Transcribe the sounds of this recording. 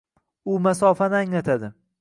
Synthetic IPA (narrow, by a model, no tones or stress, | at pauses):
ʊmasɒfanɪaŋlat̪ʰad̪ɪ